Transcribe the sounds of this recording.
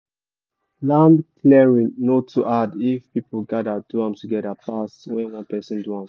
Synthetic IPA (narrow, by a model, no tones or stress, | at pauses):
lãmklɛɹĩnotʰuʔadifpipoɡadaduãmtuɡɛdapaswɛ̃nwɔ̃npɛsɛ̃nduãm